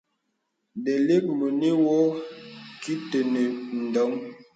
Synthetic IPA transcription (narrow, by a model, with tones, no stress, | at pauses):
de˨le˦k̚mə˨ni˦wɔ˦ | ki˦te˨ne˨n̩˨dɔ˨˦ŋ